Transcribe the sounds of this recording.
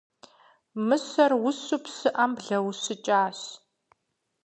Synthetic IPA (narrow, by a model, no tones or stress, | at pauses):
mɨsɐrwʊsupʰsɨʔɐmbɮɐwsɨt͡ʃʼaːɕ